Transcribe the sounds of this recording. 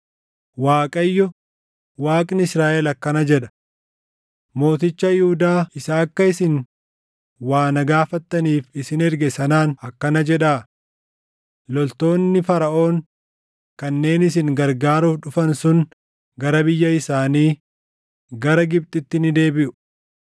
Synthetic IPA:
waːkʼɐjːɔ | waːkʼnɪɪsɾaːʔɛlɐkːɐnɐd͡ʒɛᶑɐ̥ | mo̞ːt̪ɪt͡ʃːɐjɪhud̪aːɪsaːɐkːɐɪsɪŋ | waːnɐɡaːfɐt̪ːɐniːfɪsɪnɛɾɡɛsɐnaːnɐkːɐnɐd͡ʒɛᶑaː | lɔlt̪o̞ːnːɪfɐɾɐʔo̞ːn | kɐnːe̞ːnɪsɪŋɡɐɾɡaːɾuːfᶑʊfɐnsʊn | ɡɐɾɐbɪjːɐɪsaːniː | ɡɐɾɐɡɪb̚t̪ʼɪt̪ːɪnɪd̪eːbɪʔʊ̥

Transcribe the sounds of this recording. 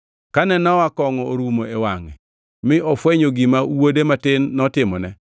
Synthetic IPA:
kanɛnɔakɔŋɔoɾumoewaŋɛ̰ | mɪʔɔfwɛɲoɡimauwodematɪnːɔtɪmɔnɛ

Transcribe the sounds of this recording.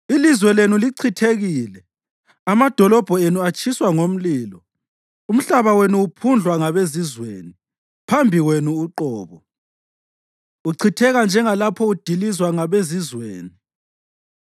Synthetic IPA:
ilizwɛlenuliǀʰitʰeɣiːlɛ | amad̥ʱɔlɔb̥ʱɔenuat͡ʃʰʼiswaŋom̩liːlɔ | um̩ɬaβawenuːpʰund͡ɮʱwaŋaβezizwḛːni | pʰambʱiwenuːǃɔːβɔ | uǀʰitʰɛɣand͡ʒʱɛŋalapʰɔud̥ʱilizwaŋaβezizwḛːni

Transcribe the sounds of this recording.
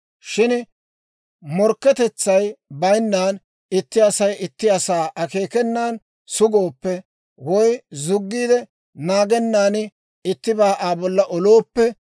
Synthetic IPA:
ʃɪn | mɔɾkːɛt̪ɛt͡sːɐjbɐjnːaːn | ɪt̪ːɪɐsɐjɪt̪ːɪɐsaːʔɐkeːkɛnːaːn | sʊɡoːpːɛ | wɔjzʊɡːiːd̪ɛ | naːɡɛnːaːnɪ | ɪt̪ːɪbaːʔaːbɔlːɐʔɔlo̞ːpːɛ

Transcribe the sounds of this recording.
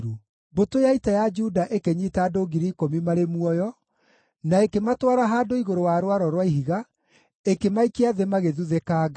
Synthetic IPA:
ɾu | botojaitajad͡ʒudaʔekeɲitaːdoɡiɾikomimaɾemwɔjɔ | naekematwaɾaɦaːdoiɣoɾowaɾowaɾɔɾwaiɦiɣa | ekemaikeaðemaɣeðuðekaːɣa

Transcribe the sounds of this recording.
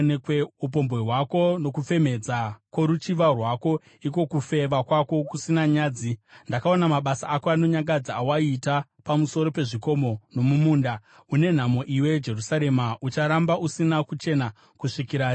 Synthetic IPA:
ekweup̬o̞mbeɦwako̞no̞kufe̞me̞d͡zakwo̞ɾut͡ʃiʋarwako̞ | ik̬o̞kufe̞ʋakwako̞kusinaɲaːd͡zindakao̞namaɓasaʔːkoano̞ɲaŋɡad͡zaːwaitapamuso̞ɾo̞pe̞ʐiko̞mo̞no̞mumuːnda | une̞n̤amo̞ʔiwe̞d͡ʒe̞rusaɾe̞maʔut͡ʃaɾambaʔusinakut͡ʃe̞na | kuʂikiɾa

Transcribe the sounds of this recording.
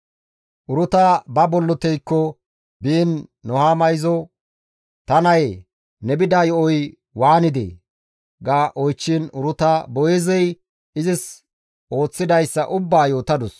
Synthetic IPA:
ʔʊɾʊt̪aːbɐbɔlːɔt̪ɛjkːɔ | biːnːɔhaːmɐjzɔ | t̪ɐnɐj | nɛbɪd̪aːjɔʔɔj | waːnɪd̪ḛː | ɡaːʔɔjt͡ʃːiːnʊɾʊt̪abɔjɛzɛj | ɪzɪs | ʔo̞ːt͡sːɪd̪ɐjsːɐ̰ʔʊbːaːjo̞ːt̪ɐd̪ʊs

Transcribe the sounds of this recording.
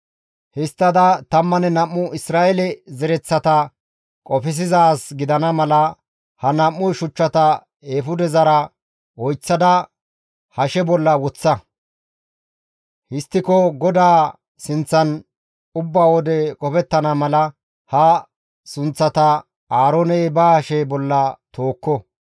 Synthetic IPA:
hɪst̪ːɐd̪ɐt̪ɐmːɐnɛnɐmːʊʔɪsɾaːʔɛlɛzɛɾɛt͡sːɐt̪ɐ | kʼɔfɪs̬ɪzaːsɡɪd̪ɐnɐmɐlɐ | hɐnɐmːʊjʃʊt͡ʃːɐt̪ɐ | eːfʊd̪ɛzɐɾɐ | wɔjt͡sːɐd̪ɐ | hɐʃɛbɔlːɐwɔt͡sːɐ | hɪst̪ːɪkɔɡɔd̪aː | sɪnt͡sːɐn | ʊbːaːwɔd̪ɛkʼɔpɛt̪ːɐnɐmɐlɐ | hɐ | sʊnt͡sːɐt̪ɐ | aːɾonɛjbaːhʃɛbɔlːɐt̪oːkːɔ

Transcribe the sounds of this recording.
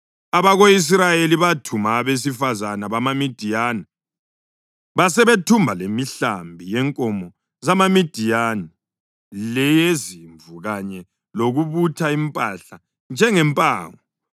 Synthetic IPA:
aβaɣois̬rajeliβatʰumaːβes̬ifazanaβamamid̥ʱijaːna | βasɛβetʰumbʱalemiɬa̰mbʱijɛŋkʼɔmɔ | zamamid̥ʱijani | lɛjeziɱvuɣaɲɛ | loɣuβutʰaimpʼaɬa | nd͡ʒʱɛŋɛmpʼa̰ːŋɔ

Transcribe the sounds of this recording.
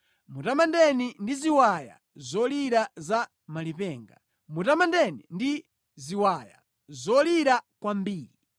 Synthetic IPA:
mutamandɛnindiziwaja̰ | zɔliɾaza | malipɛːŋɡa̰ | mutamandɛnindi | ziwaja̰ | zɔliɾakwambiːɾi

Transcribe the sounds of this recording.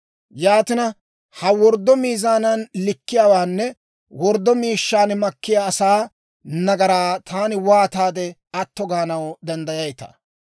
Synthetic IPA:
jaːt̪ɪnɐ | hɐwɔɾd̪ːɔmiːzaːnɐnlɪkːɪjaːwaːnːɛ | wɔɾd̪ːɔmiːʃːaːnmɐkːɪjaːsaː | nɐɡɐɾaːt̪ʰaːnɪwaːt̪aːd̪ɛɐt̪ːɔɡaːnɐwd̪ɛnd̪ɐjɐjt̪ɐ̰

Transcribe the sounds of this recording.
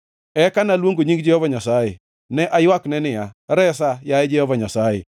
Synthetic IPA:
ɛkanalwoŋɡoɲiŋ̚d͡ʒɪɔβaɲasaḛ | nɛʔajwaknɛnɪjaɾɛs̬ajaɛd͡ʒɪɔβaɲasajḛ

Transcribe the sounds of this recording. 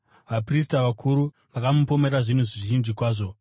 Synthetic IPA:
ʋapris̬taʋakʰuɾu | ʋakamupo̞me̞ɾaʐinuʐiʐiʒinʐikwaːʐo̞

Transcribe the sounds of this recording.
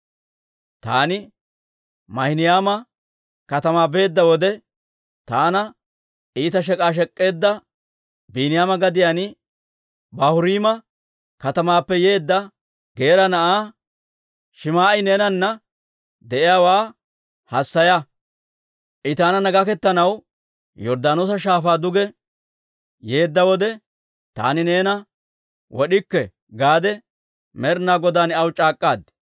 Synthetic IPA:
t̪a̰ːnɪ | mɐhɪnɪjaːmɐ | kɐt̪ɐmaːbe̞ːd̪ːɐwɔd̪ɛ | t̪aːnɐ | iːt̪ɐʃ̬ɛkʼaːʃ̬ɛkʼːe̞ːd̪ːɐ | biːnɪjaːmɐɡɐd̪ɪjanɪ | bɐhʊɾiːmɐ | kɐt̪ɐmaːpːɛjeːd̪ːɐ | ɡe̞ːɾɐnɐʔaː | ʃɪmaːɪne̞ːnɐnːɐ | d̪ɛʔɪjaːwaː | hɐsːɐjɐ | ʔɪt̪aːnɐnɐɡɐkɛt̪ːɐnɐw | jɔɾd̪aːnoːsɐʃaːfaːd̪ʊɡɛ | je̞ːd̪ːɐwɔd̪ɛ | t̪a̰ːnɪne̞ːnɐ | wɔɗɪkːɛ | ɡaːd̪ɛ | mɛɾnaːɡɔd̪aːnɐwt͡ʃʼaːkʼːaːd̪

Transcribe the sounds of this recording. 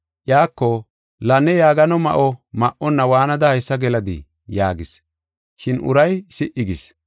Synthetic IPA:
ʔjaːkːɔ | lɐnːɛjaːɡɐnɔmɐ̰ʔɔmɐʔɔnːɐwaːnɐd̪ɐhɐjsːɐɡɛlɐd̪ɪ̰ | jaːɡɪs | ʃɪnʊ̰ɾɐjsɪʔɪɡɪs

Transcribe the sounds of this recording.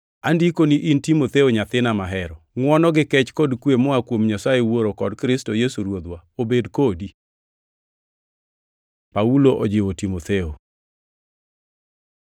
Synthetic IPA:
andikoniʔintimot̪eoɲat̪ɪnamaɦɛɾɔŋwɔnɔɡɪkɛt͡ʃkɔdkwemɔakwomɲasaewoɾokɔdkɾɪstojesuɾwod̪waobedkodi | pauloʔod͡ʒɪwotimot̪eo

